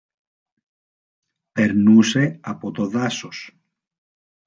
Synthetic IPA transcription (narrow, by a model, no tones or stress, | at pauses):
peɾnuseapot̪oðasos